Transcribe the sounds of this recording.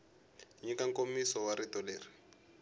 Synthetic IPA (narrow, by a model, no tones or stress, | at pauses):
ɲikaŋkomisɔwaɾitɔleːri